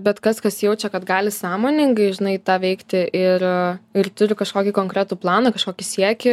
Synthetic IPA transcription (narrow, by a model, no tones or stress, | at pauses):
bʲɛt̪kɐskɐsjɛʊt͡ʃʲɛkɐt̪ɡɑːlʲɪsɑːmoːnʲɪŋɡɐɪʒʲɪnɐɪt̪ɑːʋʲɛɪkt̪ʲɪʔɪɾɪrt̪ʊɾʲɪkɐʃkoːkʲikoːŋkɾʲæːt̪uːplˠɑːnɐkɐʃkoːkʲɪsʲiɛkʲɪ